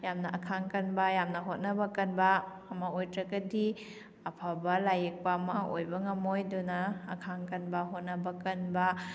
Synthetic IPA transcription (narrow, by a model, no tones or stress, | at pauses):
jamnɐʔɐkʰaŋkɐnbɐjamnɐɦot̚nɐbɐkɐnbɐː | mɐojtɾɐɡɐdi | ɐpʰabɐlajek̚paɐmɐʔojbɐŋɐmojdunaːkʰaŋkɐnbɐɦot̚nɐbɐkɐnbɐ